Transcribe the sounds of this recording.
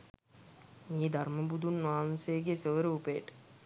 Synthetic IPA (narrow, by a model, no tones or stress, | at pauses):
miːd̪ʱarməbud̪unːaːnsejɡesəʋəɾəupejːʈə̥